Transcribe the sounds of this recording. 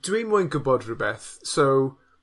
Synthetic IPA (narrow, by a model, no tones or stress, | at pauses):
d̥wimʊjnɡʊbɔdrəbɛθsow